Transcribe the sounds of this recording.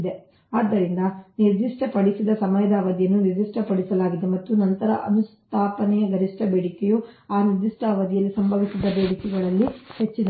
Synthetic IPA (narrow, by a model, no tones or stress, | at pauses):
d̪e | aːd̪ːɐɾind̪ɐniɾd̪iʂʈɐpɐɽisid̪ɐsɐmɐjɐd̪aːʋɐd̪ijɐnːuniɾd͡ʒ̪iʂʈɐpɐɽisɐlaːɡid̪emɐt̪ːunɐnt̪ɐɾɐʔɐnust̪ʰaːpɐnɛjɐɡɐɾiʂʈɐbeːɽikejuaːniɾd̪iʂʈɐːʋɐd̪ijɐlːisɐmbʱɐʋisid̪ɐbe̞ːɽikɛɡɐɭɐlːihet͡ʃːid̪ɐ